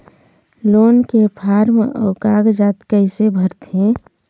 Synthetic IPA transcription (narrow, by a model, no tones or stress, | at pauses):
loːnkepʰaːɾmɔ̰ːkaːɡd͡ʒaːt̪kəɪsebʱəɾt̪ʰẽ